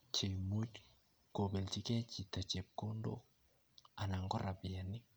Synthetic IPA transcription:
t͡ʃe˨mu˦c | ko˨be˨lt͡ʃi˦kɛ˦t͡ʃi˨ta˨t͡ʃe˨p̚ko˦ndo̰˦ | a˨na˨ŋɡɔ˦ɾa˨bi˨ja˨nːi˦

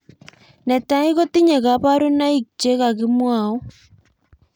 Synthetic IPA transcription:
nɛ˨ta˨˦i˦ɣo˦ti˦ɲe˨ɣa˨˦pa˦ɾo˦na˦i˨kt͡ʃe˦ɣa˨ɣɪ˦mwa˨ɔ˦

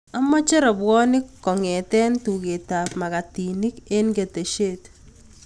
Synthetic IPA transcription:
a˦mɔ˦t͡ʃɛ˦ɾɔ˨bwɔ˦nɪ˦kːɔ˨ŋɛ˨t̪ɛ˦ntu˨ke˨ta˨pma˨ka˨ti˨ni˦ke˦nɡe˨te˨ʃe˦t

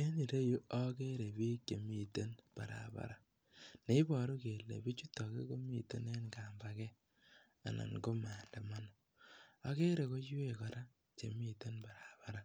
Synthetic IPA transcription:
e˦ni˨ɾe˦ju˦ɔ˦ke˦ɾe˨biː˦k̚t͡ʃe˨mi˨te˦npa̰˨ɾa̰˨ba̰˨ɾa˦ | ne˨i˦bɔ˨ɾo˦ke˨lːḛ˨bi˦t͡ʃu˦tːɔ˨kḛ˦ko˦mi˨to˦ne˦nka˨mba˨kɛ˦ | a̰˨na̰˨ŋko˦ma˨nda˨ma˦nɔ˨ | a˦ke˦ɾe˨ko˦je˦˨kɔ˨ɾa˦ | t͡ʃḛ˨mi˦to˦nba˨ɾa˨ba˦ɾa˦

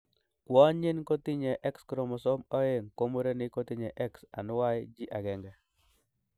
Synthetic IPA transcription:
kwɔ˦ɲɪ˦nko˦t̪ɪ˦ɲɛ˨ʔɛ˦kskɾo˨mɔ˨so˦mɔ˦e˦ŋko˦mo˦ɾe˦nɪ˦ko˦t̪ɪ˦ɲɛ˨ʔɛ˦ksa̰˨nʊ˦wa˦ɪ˦d͡ʒi˦ʔa˨ɡɛ˨ŋɡɛ˨

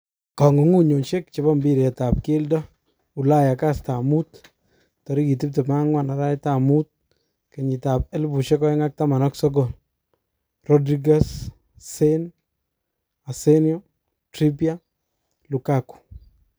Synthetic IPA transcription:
kɔ˨ŋu˨ŋu˦ɲo˨nʃe˦k̚t͡ʃe˨bɔ˦mbiɾɛ˨tap̚ke˦ldɔ | u˨la˦ja˨kasta˨mut | tɔ˨ɾi˦ki˨t̬i˦p̚tɛma˦ŋwa˨na˨ɾa˦jtamut̚ | ke˨ɲi˨ta˨p̚e˦lbu˨ʃɛkɔ˦ɛŋa˦k̚tama˨nɔksɔk̬o˨l | rɔdɾiɡas | sen | aseniɔ | tɾi˦pia | lu˨kaku̥˨

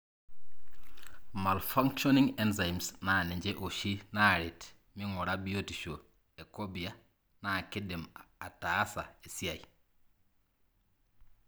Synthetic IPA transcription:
ma˨lfa˦ŋʃo˦ni˦ŋe˦nza˨jmsna˨ni˨ɲd͡ʒe˦ʔo˨ʃi˦na˦ɾi˨t | mi˦ŋu˨ɾa˦bi˦o˦ti˨ʃo˨ | e˨ko˦bi˨a˦ | na˨ki˦di˨ma˨ta˨a˦sa̰˨e˨si˦a˨j

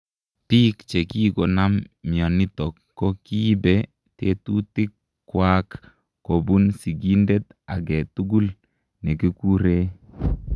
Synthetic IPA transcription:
pi˦kt͡ʃe˨ki˦ɡo˨na˦mːjɔ˨ni˦tɔ˨kːɔ˦ki˦bɛ˦ | te˦tu˦tɪ˦kː | wakː | o˨bu˦nsi˨ɡi˦nde˦t̪a̰˨ɡɛ˨tu˦ɡu˦l | nɛ˨ki˦ku˦ɾe˦

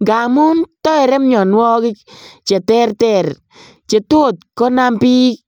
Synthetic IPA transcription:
ŋɡa˨mu˦ntɔ˦ɛ˨ɾɛ˦mɲɔ˨nwɔ˦kɪ˦k̚t͡ʃɛ˨tɛ˦rtɛ˨r | t͡ʃe˨to˦˨t̚kɔ˦na˦mpiː˦k̚

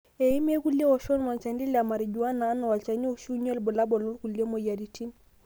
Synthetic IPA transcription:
e˨i˦m˦e˦ku˦li˦e˦wɔ˨ʃɔ˦nma˨nt͡ʃa˨ndi˦la˨ma˨ɾi˨d͡ʒu˨wa˦naː˨˦nɔ˨wa˨lt͡ʃa˨ni˦o˦ʃu˦ɲɔ˦lbɔ˨la˦bɔ˨lɔ˦lku˨li˦e˦mo˨ja˨ɾi˨tʰi˦n

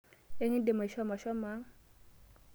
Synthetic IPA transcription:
e˦ŋɪ˦n˦dɪ˨ma˨ʃɔ˦ma˨ʃɔ˦ma˦

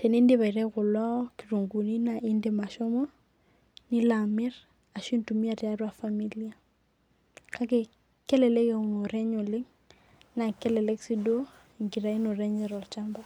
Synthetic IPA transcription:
te˨ne˦ndɪ˦βa˨i˨ɾɛ˦kʊ˨la˦kiru˨ŋɡu˨ni˦naʔɪ˦nde˨ma˨ʃɔ˦mɔ˦ | nɪ˦lamɪ˦r | a˨ʃi˦ntumi˦a˨rɪ˦arwa˨fami˦lia˦ | kʰa˦ke˦ | kɛ˦lɛ˨lɛ˦ke˨u˨no˨ɾɛ˦ɲʊ˨lɪ˦ŋ | na˨kɛ˦lɛ˨lɛ˦ksi˦do˦˨ | ŋkiɾa˨i˦no˨rɛɲɛ˦ɾɔ˨t͡ʃamba

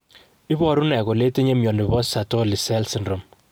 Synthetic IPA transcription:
i˦βɔ˨ɾu˦nɛ˨ko˨le˦te˦ɲe˦mjɔ˨ni˨βɔ˦sa˨to˦li˨sɛ˦lsɪ˨ndɾo˨m

